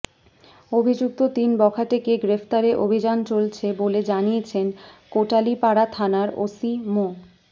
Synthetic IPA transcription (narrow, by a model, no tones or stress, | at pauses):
obʱid͡ʑuk̚t̪ot̪inbɔkʰaʈekeɡɾeft̪aɾeʔobʱid͡ʑant͡ɕolt͡ɕʰeboled͡ʑanijet͡ɕʰenkoʈalipaɽat̪ʰanaɾo̰simo